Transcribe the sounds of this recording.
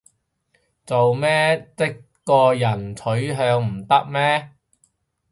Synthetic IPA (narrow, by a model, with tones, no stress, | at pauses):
t͡so˨wmɛː˥t͡sɪ˥k | kːɔː˧jɐ˨˩nt͡sʰɵ˨˥ɥɦœː˧ŋm̩˨˩t̪ɐ˥k̚mɛː˥